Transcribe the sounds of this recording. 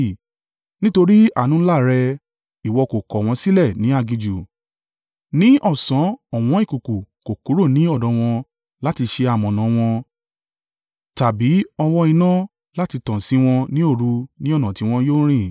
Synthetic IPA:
nĩ˦to˧ɾi˦a̰˦˨nũ˨˦la˦˨ɾɛ˧ | i˨wɔ˧ko˨kɔ˨w̃ɔ̃˧si˦lɛ˦˨nĩ˨˦a˦˧˨ɡĩ˧d͡ʒu˨ | nĩ˨˦ʔɔ˦˨sã˨˦ɔ˨w̃ɔ̃˧˦i˦˨ku˨ku˨ko˨ku˨˦ɾo˦˨nĩ˨˦ɔ˦˨dɔ˨˧w̃ɔ̃˧ | la˦ti˧ʃe˧a˨mɔ̃˨nã˨w̃ɔ̃˧ | ta˨bi˨˦ɔ˧wɔ˧ĩ˧nã˦ | la˦ti˧tã˨si˨˦w̃ɔ̃˧nĩ˦o˦˧˨ɾu˧nĩ˦ɔ˦˨nã˨ti˨˦w̃ɔ̃˧joː˦ɾ̃ĩ˦˨

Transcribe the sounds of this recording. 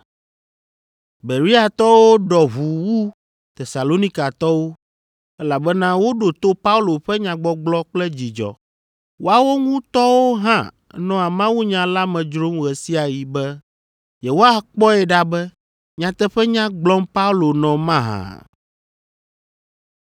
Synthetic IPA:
be˨ɾi˦a˨t̪ɔ˦wo˦ɖɔ˨ɦu˨wu˦ | t̪ɛ˨sa˨lo˦nĩ˦ka˨t̪ɔ˦wo˦ | ɛ˦la˨bɛ˦nã˦wo˦ɖo˨t̪o˦pa˦u˦lo˨ɸɛ˦ɲã˨ɡ͡bɔ˦ɡ͡blɔ˦k͡plɛ˦d͡ʑi˨d͡ʒɔ̰˨ | wo˦a˨wo˦ŋũ˦t̪ɔ˦wo˦ɦã˦ | nɔ̃˦a˨mã˦wu˦ɲã˨la˦mɛ̃˨d͡ʒɾo˦mɣɛ˨si˦a˨ji˨bɛ˦ | jɛ˨wo˦a˦k͡pɔ˦ɛ˨ɖa˦bɛ˦ | ɲã˨t̪ɛ˦ɸɛ˦ɲã˦ɡ͡blɔ˦mpa˦u˦lo˨nɔ̃˨mã˦ɦã̰˨

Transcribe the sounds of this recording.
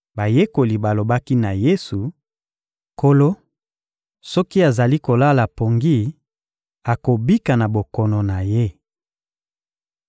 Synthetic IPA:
ba˨je˦ko˨li˨ba˨lo˨ba˦ki˦na˨je˦su˨ | ko˦lo˦ | sɔ˦ki˦a˨za˨li˦ko˨la˦la˨po˨ŋɡi˦˨ | a˨ko˨bi˦ka˨na˨bo˨kɔ˨nɔ˨na˨je˦

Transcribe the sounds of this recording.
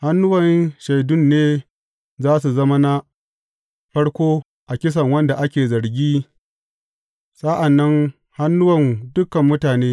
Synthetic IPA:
ha˦nːʊ˦wɐ˨nʃa˨jdʊ˦nːeː˦ | zaː˦s̬u˨zɐ˦ma˦na˦ | ɸɐ˦ɽkʷoː˦ | ʔa˨kʲɪ˦s̬ɐ˨ŋwɐ˦nda˨ʔa˦kʲeː˨zɐ˨ɽɡʲiː˦ | sa˦ʔa˨nːɐ˦ŋ | ha˦nːʊ˦wɐ˨ndʊ˦kɐ˨mːʊ˦taː˨neː˦

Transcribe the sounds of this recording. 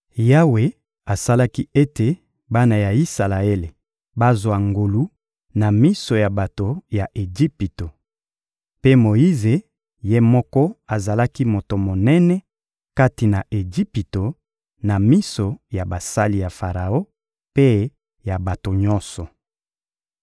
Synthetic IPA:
ja˦we˨ | a˨sa˦la˦ki˦e˦te˨ | ba˦na˨ja˨i˦sa˨la˨e˦le˨ | ba˦zwa˨ŋɡo˨lu˦ | na˨mi˦so˨ja˨ba˨to˨ja˨ʔe˨d͡ʒi˦pi˨to˨ | pe˦mo˨i˦ze˨ | je˦mɔ˦kɔ˦a˨za˨la˦ki˦mo˨to˨mo˨nɛ˦nɛ˦ | ka˦ti˨na˨ʔe˨d͡ʒi˦pi˨to˨ | na˨mi˦so˨ja˨ba˨sa˦li˨ja˨fa˨ʁa˨o˦ | pe˦ | ja˨ba˨to˨ɲɔ̃˦nsɔ˨

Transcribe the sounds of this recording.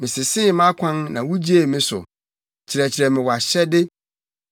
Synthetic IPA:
mɪ̃˨sɪ˨sɪ˦˨˦mã˦kʷʰã˦nnã˨wu˦d͡ʑi˦e˦˨mɪ̃˦sʊ̰˨ | t͡ɕʰi˨ɾɛ˨t͡ɕʰi˨ɾɛ˨mɪ̃˨wɔ˨a˨ɕɛ˦dɪ˦

